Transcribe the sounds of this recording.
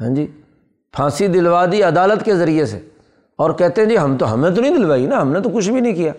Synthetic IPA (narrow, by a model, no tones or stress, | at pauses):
ɦã̰ːd͡ʒiː | pʰãːsid̪ɪlʋaːd̪iɐd̪aːlət̪kezɐɾiesḛ | ɔːɾkɛɦt̪ẽɦɛ̃d͡ʒiɦɐmt̪oɦɐ̰mẽt̪̬onɐ̃ĩd̪ɪlʋaːinaɦɐmnet̪okʊt͡ʃʰbʱinə̃ɦĩkijaː